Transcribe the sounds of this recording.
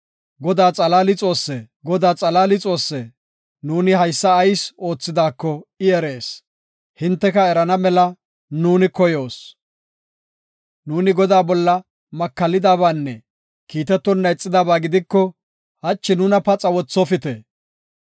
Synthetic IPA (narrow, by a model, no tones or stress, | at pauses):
ɡɔd̪aːt͡sʼɐlaːlɪt͡sʼo̞ːsːɛ | ɡɔd̪aːt͡sʼɐlaːlɪt͡sʼo̞ːsːɛ | nuːnɪhɐjsːɐːjso̞ːt͡sːɪd̪aːkːɔɪɛɾeːs | hɪnt̪ːɛkɐɛɾɐnɐmɛlɐ | nuːnɪkɔjo̞ːs | nuːnɪɡɔd̪aːbɔlːɐ | mɐkːɐlɪd̪aːβaːnːɛ | kiːt̪ɛt̪ːɔnːɐjt͡sʼːɪd̪aːbaːɡɪd̪ɪkːɔ | hɐt͡ʃːɪnʊnɐpɐt͡sʼɐwɔt͡sːɔfɪt̪e